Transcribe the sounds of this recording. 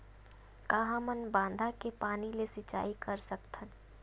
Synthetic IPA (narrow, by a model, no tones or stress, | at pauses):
kaɦãmənbãːnd̪ʱakepaːnilesɪt͡ʃa̰ːikəɾsəkt̪ʰən